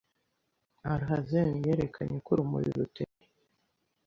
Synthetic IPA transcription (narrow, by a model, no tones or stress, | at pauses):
aɾɦazenijeɾekʰaɲekuɾumṵɾiɾuteɾe